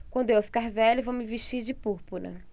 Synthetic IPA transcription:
kwɐ̃nd̪ʊewfi̥kaɾvɛʎʊvowmɪveʃt͡ʃiɾd͡ʒɪpuɾpuɾɐ̰

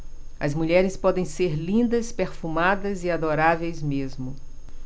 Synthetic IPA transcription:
ɐzmuʎɛɾɪspɔd̪ẽj̃seɾlĩnd̪ɐspeɾfumad̪ɐziad̪oɾavejzmezmʊ

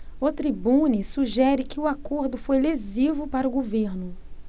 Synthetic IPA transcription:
ʊt̪ɾibũnisuʒɛɾɪkɪʊakoɾd̪ʊfojlezivʊpaɾʊɡoveɾnʊ

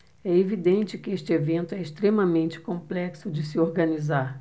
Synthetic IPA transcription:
ɛevid̪ẽnt͡ʃɪkɪeʃt͡ʃɪevẽnt̪ʊɛɪʃt̪ɾemɐmẽnt͡ʃɪ̥kõmplɛksʊd͡ʒɪsɪoɾɡɐnizaɾ

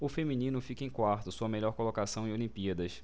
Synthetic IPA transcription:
ʊfemĩnĩnʊfikɐẽj̃kwaɾt̪ʊsuɐmeʎɔɾkolokasɐ̃w̃ẽolĩpiɐd̪ɐs

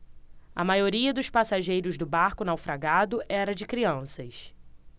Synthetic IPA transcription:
ɐ̰majoɾiɐd̪ʊʃpasaʒejɾʊzd̪ʊbaɾkʊnawfɾaɡad̪ʊʔɛɾɐd͡ʒɪkɾiɐ̃sɐs

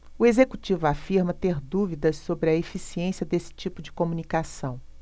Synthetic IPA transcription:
ʊezekut͡ʃivʊafiɾmɐt̪eɾd̪uvid̪ɐssobɾɪɐefisiẽsiɐd̪esɪ̥t͡ʃipʊd͡ʒɪkõmunikasɐ̃w̃

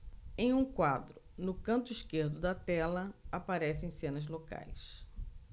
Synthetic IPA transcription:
ẽj̃ũkwad̪ɾʊ | nʊkɐ̃nt̪ʊiʃkeɾd̪ʊd̪ɐt̪ɛlɐapaɾɛsẽj̃sẽnɐzloka̰js

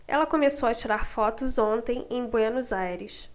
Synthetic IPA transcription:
ɛ̰lɐkomesowɐt͡ʃiɾaɾfɔt̪ʊzõnt̪ẽj̃ẽj̃boɐnuzajɾɪs

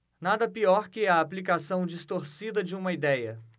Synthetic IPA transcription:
nad̪ɐpiɔɾkɪɛɐːplikasɐ̃w̃d͡ʒist̪oɾsid̪ɐd͡ʒɪũmɐid̪ɛjɐ

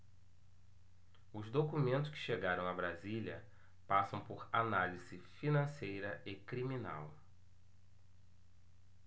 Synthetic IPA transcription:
ʊzd̪okumẽnt̪ʊ̥skɪ̥ʃeɡaɾɐ̃w̃abɾazilʲɐ̰ | pasɐ̃w̃pʊɾanaliz̥ɪfinɐ̃sejɾɐɪkɾimina̰w

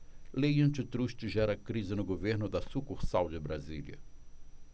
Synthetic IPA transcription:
lejɐ̃nt͡ʃɪt̪ɾuʃt͡ʃɪʒɛɾɐkɾizɪnʊɡoveɾnʊd̪ɐsukuɾsawd͡ʒɪbɾazḭljɐ̰

